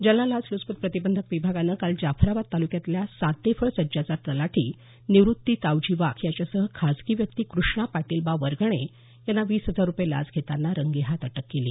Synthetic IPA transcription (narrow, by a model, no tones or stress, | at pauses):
d͡ʑəlalad͡zluspət̪̚pɾət̪ibənd̪ʱəkʋibʱaɡanəkald͡ʑafʰɾaʋat̪̚t̪ːalukjat̪ljasat̪ːefʰəɭsəd͡ʑat͡saɾt̪əlaʈʰiː | niʋɾut̪ːiːt̪awd͡ʑiʋakʰjat͡ɕjasəɦəkʰad͡zkiːʋjək̚t̪iːkɾuʂɳapaʈiːlbaʋəɾɡɳ̃e | janːaʋiːsɦəd͡zaɾːupjela̰d͡zɡʱet̪anːaɾəŋɡeɦat̪əʈəkːelḭː